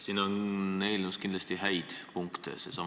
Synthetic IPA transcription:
siːnoneːlnuskind̪lɑst̪ihæjd̪̥puŋkt̪ḛsesɑm

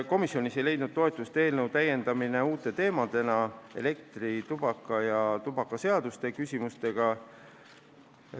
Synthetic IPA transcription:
ko̞misːjo̞nisejle̞jd̪nud̪̥̚t̪o̞e̞t̪ːˑust̪e̞ːlnɤwt̪æje̞nd̪̥ɑmine̞uːt̪ːˑe̞t̪e̞ːmɑd̪̥e̞nɑe̞̰le̞k̚t̪rit̪ub̥ɑkːˑɑjɑt̪ub̥ɑkːˑɑse̞ɑd̪̥ust̪e̞kysʲimust̪e̞ɡ̥ɑ

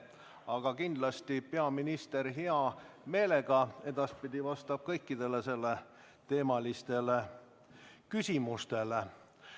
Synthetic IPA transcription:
ɑɡ̥ɑkind̪̥lɑst̪ipe̞ɑminist̪e̞ɾɦeɑ | me̞ːle̞ɡ̥ɑe̞d̪̥ɑspid̪̥ʲivɑst̪ɑb̥̚kɤjkˑːid̪̥e̞lese̞lːe | t̪e̞ːmɑlist̪e̞le | kysʲimust̪e̞le

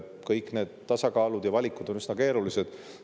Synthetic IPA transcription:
kɤjkːˑne̞ːd̪̥t̪ːɑsɑkɑːlud̪jɑvɑlʲikːˑud̪̥o̞nysnɑke̞ːɾulise̞d̪̥

